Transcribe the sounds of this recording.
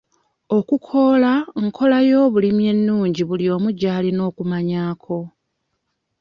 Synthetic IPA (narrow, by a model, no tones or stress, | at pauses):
o̞kukʰo̞laŋkʰo̞lajo̞ːβulimje̞nːuːɲɟiβuljo̞ːmuɟaːlino̞ːkumaɲaːkʰo̞